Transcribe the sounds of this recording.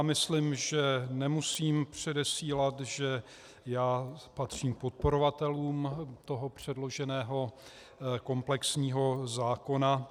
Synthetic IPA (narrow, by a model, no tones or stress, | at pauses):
jmɪslɪmʒɛnɛmusiːmpr̝̥ɛdɛsiːlat̪ʒɛ | jaːpat̪r̝̥iːmkpot̪̚po̞ɾovat̪ɛluːmt̪o̞ɦo̞pr̝̥ɛdlo̞ʒɛnɛːɦo̞ | ko̞mplɛksɲiːɦo̞zaːko̞na